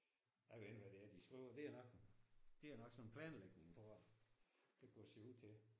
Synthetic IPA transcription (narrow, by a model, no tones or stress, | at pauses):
jaɪenʋæɾ̥e̝æɐd̥isɡ̥ʁiʊ̰ɐd̥e̝æɐnɒ̽ɡ̥d̥e̝æɐnɒ̽ɡ̥sɒ̽nnpʰlɛːnleɡ̥neŋt͡sʰʁo̝ɐ̰ | d̥eɡ̥ʰɒseuð̰ˠt͡sʰe̝